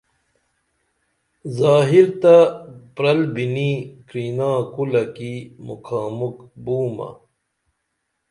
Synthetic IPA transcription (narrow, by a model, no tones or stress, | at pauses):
zaːɦilt̪ɐpɾɐlbinikɾiːnãːkulɐkimṵkʰaːmukbuːmɐ̰